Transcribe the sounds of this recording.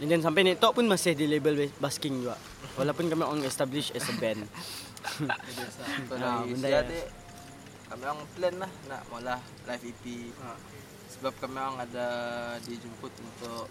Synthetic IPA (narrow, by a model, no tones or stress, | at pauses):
ɛ̃ndɛns̬ampajnɛʔt̪ɔʔpunmasɪhdilebəlbbaskɪŋd͡ʒuɡaʔ | walawpunkamiʔaŋɛst̪abliʃɛsəbɛn | st̪oaiəndaat̪e | kamiaŋplɛnlahna̰ʔmalah | lajfipi | səbap̚kamiaŋadadid͡ʒumpʊt̪̚unt̪ʊʔ